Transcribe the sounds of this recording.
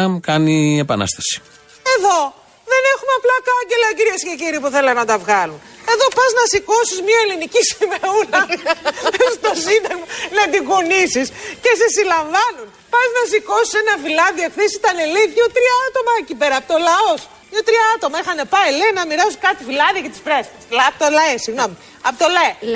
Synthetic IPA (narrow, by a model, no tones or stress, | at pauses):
kɐniepɐnɐ̰st̪ɐ̥si̥ | e̞ðo̞ | ðe̞ne̞xumeɐplɐkɐɲɟe̞lɐciɾiesce̞ciɾiːpuθelɐnɐt̪ɐvɣɐlun | e̞ðo̞pɐznɐsiko̞sizmɲɐelinicisimeulɐ | st̪osind̪ɐɣmnɐt̪iɣonisisce̞sesilɐɱvɐnun | pɐznɐsiko̞si̥senɐfilɐðiekθesit̪ɐneliθʝot̪ɾiɐɐt̪o̞mɐecipe̞ɾɐːpot̪olɐo̞s | mɲot̪ɾiɐɐt̪o̞mɐixɐne̞pɐilenɐmiɾɐsukɐt̪ifilɐðiɐcɐt̪ispɾest̪eslpt̪olɐesiɣno̞mi | ɐpot̪olɐe